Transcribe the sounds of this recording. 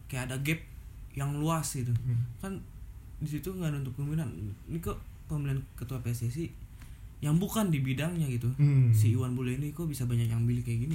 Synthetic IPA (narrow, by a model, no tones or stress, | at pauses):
kajaadaɡɛp̚jaŋluasɡit̪ukandis̬it̪uŋɡadaunt̪ʊk̚ɡuminannikopəmiliankət̪uapesesi | jaŋbukandibidaŋɲaɡit̪usiiwanbolɛinikobisabaɲakjaŋbilikajaɡini